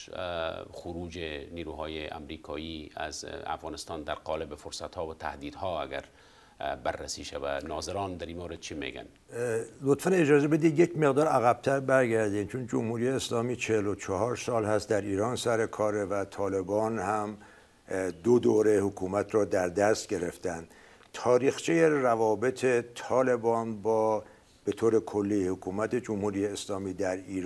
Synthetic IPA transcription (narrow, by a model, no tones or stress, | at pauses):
xuɾuːd͡ʒeniːɾuːɦɒːjeʔæ̰mɾiːkʰɒːiːæ̰zæ̰fɣɑːnest̪ɑːnd̪æɾqɒːlebefoɾsæt̪hɒːvæt̪ʰæ̰hd̪iːd̪hɔːæ̰ɡæ̰ɾ | bærːæsiːʃævæ̰nɒːzeɾɑːnd̪æɾinmowɾed̪̚t͡ʃʰimḛɡæ̰n | lot̪fæned͡ʒɒːzebe̞d̪id̪jecme̞ɣd̪ɒːɾæɣæb̥̚t̪ʰæɾbæɾɡæɾd̪iːnt͡ʃʰond͡ʒomhuːɾijeːslɒːmiːt͡ʃʰehelot͡ʃʰɒɦɒːɾsɒːlhæst̪̚d̪æɾiːɾɒːnsæɾe̞kʰɒːɾevæt̪ʰɒːle̞bɒːnhæm | d̪od̪oːɾe̞hokʰuːmæt̪ʰɾɒːd̪æɾd̪æst̪̚ɟe̞ɾe̞ft̪ænd̪̥ | t̪ʰɒːɾiːxt͡ʃʰijerævɒːbe̞t̪ʰe̞t̪ʰɒːle̞bɒːnbɒː | b̥e̞t̪ʰoːɾe̞kʰo̞lːihokʰuːmæt̪ʰe̞d͡ʒomhuːɾijeːslɒːmiːd̪æɾiːɾ